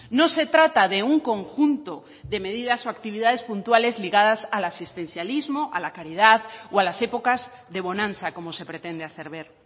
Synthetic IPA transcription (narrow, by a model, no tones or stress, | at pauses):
no̞se̞t̪ɾat̪aðe̞uŋko̞ŋxunt̪o̞ | ðe̞me̞ðiðasoakt̪iβiðað̞e̞spunt̪wale̞zliɣað̞asalasist̪e̞nθjalizmoʔalakaɾið̞aðoalasepo̞kaz | ðe̞β̞o̞nãnθako̞mo̞se̞pɾe̞t̪e̞nd̪eaθe̞ɾβ̞e̞ɾ